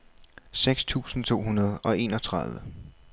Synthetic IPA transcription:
seɡ̥st͡sʰṵːsn̩t͡sʰo̝̰ːɦunɐð̞ˠɒ̽e̝̰ːnɒ̽t͡sʰʁɑ̈ðˠʋə

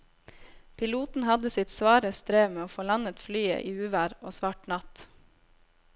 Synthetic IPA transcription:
pʰɪluːt̪n̩hɑd̪əsɪt̪sʋɑːɾəst̪ɾeːʋmeːoːfoːlɑnət̪flyːə̰ʔiːʉːʋæːɾoːsʋɑːʈnɑt̪

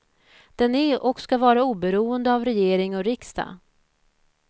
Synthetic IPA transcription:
d̪̥ɛnæɾɔkskavɑːɾauːbɛɾuːənd̪əavɾɛjeːɾɪŋɔɾɪkst̪a̰

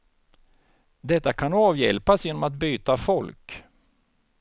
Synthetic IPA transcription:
d̪ɛt̪ːakʰanɑːvjɛ̰lpasjeːnɔmat̪̚byːt̪afɔlk

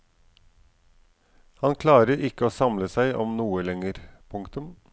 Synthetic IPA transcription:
hɑnkʰlɑːɾəɾɪkəoːsɑmləsæɪʔɔmnuːəlɛŋəɾpʰʊŋkt̪ʉm

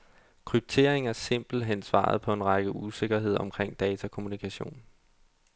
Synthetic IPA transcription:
kʰʁyb̥̚t͡sʰe̝ɐ̰eŋæɐse̝m̰b̥l̩ɦen̰sʋɑ̰̈ð̞̩ˠpʰɒ̽e̝nʁɑ̈ɡ̥əuse̝ɡ̥ɐɦe̝ð̞̰ˠɒ̽mkʰʁeŋ̰d̥ɛːt͡sʰækʰo̝munikʰæɕo̝̰ːn

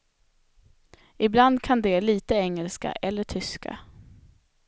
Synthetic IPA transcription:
ɪbland̪kʰand̪ɛliːt̪əɛŋːəlska̰ʔɛlːəʈʰʏska̰

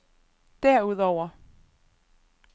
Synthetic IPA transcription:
d̥æɐ̰uð̰ˠɒʊ̰ɐ

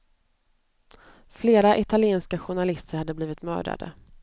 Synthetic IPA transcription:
fleːɾaʔɪt̪ʰalɪeːnskaɧʊɳalɪst̪əɾhad̪ːəbliːvɪt̪mœ̰ːɖa̰d̪ə̰

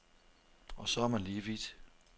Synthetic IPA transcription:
ɒ̽sɒæɐmænliːʋid̥

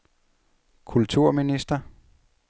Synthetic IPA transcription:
kʰult͡sʰuɐ̰minisd̥ɐ

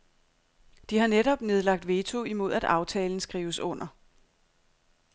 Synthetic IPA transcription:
d̥ihɑ̈neɾɒ̽b̥ne̝ð̞ˠlɑ̈ɡ̥̚d̥ʋe̝ːt͡sʰo̝imo̝ð̰ˠæd̥ɑ̈ʊt͡sʰɛ̰ːln̩sɡ̥ʁiːʊəsɔ̽n̰ɐ

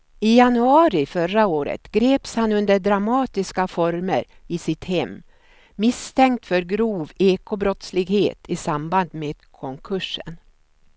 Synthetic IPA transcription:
ɪjanɵɑːɾɪfœɾaoːɾə̰t̪ɡɾeːpshanɵnd̪əɖɾamɑːt̪ɪskafɔɾmə̰ɾ | ɪsɪt̪hɛmː | ɪst̪ʰɛŋkt̪fœɾɡɾuːveːkʊbɾɔt̪slɪɡhḛːt̪ʰɪsamband̪meːd̪̥kʰɔŋkʰɵʂə̰n

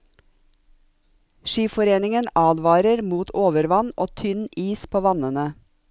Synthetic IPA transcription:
ʃiːfɔɾeːnɪŋənɑːlʋɑːɾəɾmuːt̪ʰoːʋəɾʋɑnʔoːt̪ʰʏniːspʰoːʋɑnənə

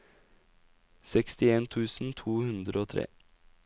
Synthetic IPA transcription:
sɛkst̪ɪeːnt̪ʰʉːsn̩t̪ʰuːhʉnd̪ɾəoːt̪ʰɾḛː

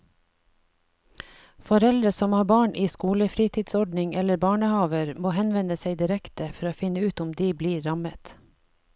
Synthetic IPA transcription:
fɔɾɛld̪ɾəsɔmhɑːbɑːɳʔiːskuːləfɾiːt̪ʰiːd̪sɔɖnɪŋɛləɾbɑːɳəhɑːʋəɾmoːhɛnʋɛnəseɪd̪ɪɾɛkt̪əfɔɾoːfɪnəʉːt̪ʊmd̪iːbliːɾɑmət̪

